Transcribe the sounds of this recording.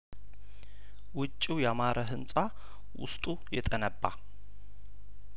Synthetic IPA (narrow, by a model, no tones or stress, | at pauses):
wʊt͡ʃʼːiwjɛamaɾʔəɦɨnsʼa | wʊ̰st̪ʼujɛt̪ʼənəbːa̰